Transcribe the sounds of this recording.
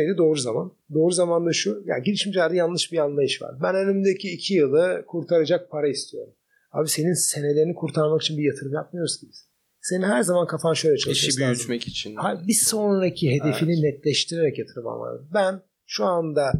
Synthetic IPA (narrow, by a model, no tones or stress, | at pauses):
ejd̪ʲɛd̪o̞ːɾuzama̰n | d̪o̞ːɾuzamand̪aʃuja̰ːɟelʲiʃmiʃlʲæɾd̪ɛjanlˠɯʃbianlˠajɯʃva̰ɾbænønymd̪ecʰiːcʰijɯlˠɯkʰuɾt̪ʰaɾad͡ʒak̚pʰaɾaist̪ʰijo̞̰ɾum | a̰ːbise̞ninse̞ne̞lʲeɾinikʰuɾt̪ʰaɾmaki̥t͡ʃʰinbijat̪ʰɯɾɯmjap̚mɯjo̞ɾusunɯz̥ | se̞nihæɾzamankʰafanʃø̞jlʲɛt͡ʃʰalˠʃiot͡ʃmɛkit͡ʃʰinhabiso̞nɾacʰiɦe̞d̪e̞fininɛt̪lʲɛʃt̪ʰiɾe̞ɾɛcjat̪ʰɯɾɯma̰nva̰ɾd̪ɯbæn | ʃuand̪a